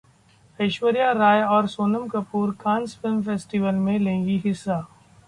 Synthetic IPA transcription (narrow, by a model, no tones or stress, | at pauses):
ɐɪʃwəɾijaɾaːjɔːɾsoːnəmkɐpuːɾkʰãːnsfɪlmfeːsʈiʋəlmẽlẽːŋɡiɦɪsːaː